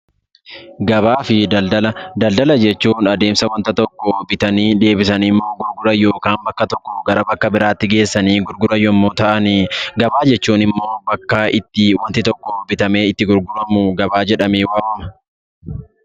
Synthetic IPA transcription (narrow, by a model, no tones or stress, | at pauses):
ɡɐβaːfɪɐɐlɐd̪ɐld̪ɐlɐd͡ʒɛt͡ʃːuːnɐd̪e̞ːmsɐwɐnt̪ɐt̪ɔkːɔbɪt̪ɐniːᶑ̪e̞ːbɪsɐnɪmːo̞ːɡʊɾɡʊɾɐjːoːkaːmbɐkːɐt̪ɔkːɔɡɐɾɐbɐkːɐbɪɾaːt̪ːɪɡe̞ːsːɐniːɡʊɾɡʊɾɐjːɔɪmːoːt̪ɐʔɐnɪɡɐbaːd͡ʒɛt͡ʃːuːnɪmːo̞ːbɐkːaːʔɪt̪ːɪwɐnt̪ɪt̪ɔkːɔbɪt̪ɐme̞ːɪt̪ːɪɡʊɾɡʊɾɐmʊɡɐbaːd͡ʒɛᶑɐmeːwaːmɐmɐ